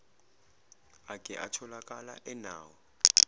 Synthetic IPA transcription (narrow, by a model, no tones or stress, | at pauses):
akʼɛʔa̰tʰɔlakʼala̰ʔɛnaːwɔ